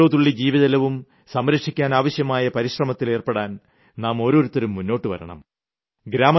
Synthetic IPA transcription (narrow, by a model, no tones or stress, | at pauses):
oːðuɭːid͡ʑiːʋiðɐlɐʋum | sɐmɾɐkʂikʲːaːnaːʋɐɕjɐmaːjɐpɐɾiɕrɐmɐt̪ːile̞ːrpeɽaːn | naːmo̞ːɾo̞ːɾut̪ːɐɾumːunːo̞ːʈːɨʋɐ̰ɾɐ̰ɳɐ̰m | ɡɾaːmɐ